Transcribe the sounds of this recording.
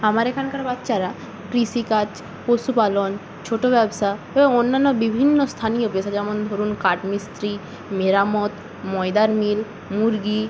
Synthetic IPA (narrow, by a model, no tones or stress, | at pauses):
amaɾekʰankaɾbatːʃaɾa | kɾiʃikat͡ɕ | posupalon | t͡ɕʰoʈobɛbʃa | eboŋonːanːobibʱinːost̪ʰanijopeʃad͡ʑɛmond̪ʱoɾunkaʈmist̪ɾi | meɾamot̪ | mɔed̪aɾmil | muɾɡi